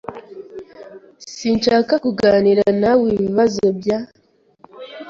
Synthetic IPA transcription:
sinʃaːkakuɡaːniɾanawiːβiβazo̞bja

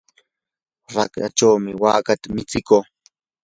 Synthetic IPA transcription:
ɾaka̰t͡ʃawmɪwa̰ːkat̪amɪt͡sɪkoː

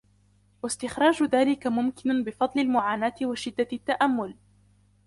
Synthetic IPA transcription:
wast̪ɪxɾˤɑːd͡ʒʊðaːlɪkamʊmkɪnbɪfɑd̪ˤlɪlmʊʕaːnaːt̪ɪwaʃɪd̪ːat̪ːaʔamːʊl

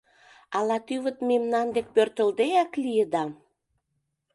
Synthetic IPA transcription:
ɑlɑt̪yβə̆t̪memnɑnd̪ek̚pørt̪ə̆ld̪eæklijəd̪ɑ

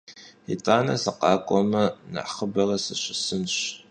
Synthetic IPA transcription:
ḭtʼaːnɐ̰sɐqɑːkʷʼɔmɐnɨ̰ʔχəbɐrɐsɨɕʼɪsɨnɕ

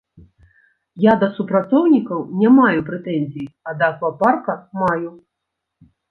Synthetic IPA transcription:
jad̪ɐsupɾat̪sɔwnʲikɐwnʲamajupɾɛt̪ɛnʲzʲijɐd̪ɐːkvɐparkɐmaju

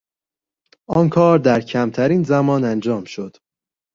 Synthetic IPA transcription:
ɒːnkʰɒːɾd̪æɾcʰæmt̪ʰæɾiːnzæmɒːnænd͡ʒɒːmʃod̪̥

